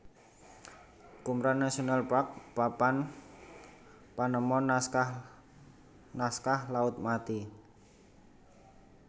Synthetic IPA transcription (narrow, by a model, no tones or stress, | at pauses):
kumɾanːasionalpɾak̚papan | panəmɔnska | naskahlaʊt̪̚mat̪i